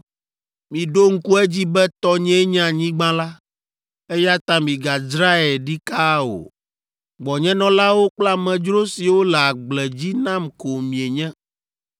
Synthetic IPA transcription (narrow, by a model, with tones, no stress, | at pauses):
mĩ˨ɖo˦ŋ̩˦ku˦ɛ˦d͡ʑi˦bɛ˦t̪ɔ˦ɲɛ̃˦ɲã˦ɲĩ˦ɡ͡bã˦la˦ | e˦ja˦t̪ã˦mĩ˨ɡa˨d͡ʒɾa˦ɛ˨ɖi˦ka˦o̰˨ | ɡ͡bɔ˨ɲɛ̃˦nɔ̃˦la˦wo˦k͡pla˦mɛ̃˨d͡ʒɾo˦si˨wo˦lɛ˨a˨ɡ͡blɛ˨d͡ʑi˦nã˦mko˨mĩ˨e˨ɲɛ̃˦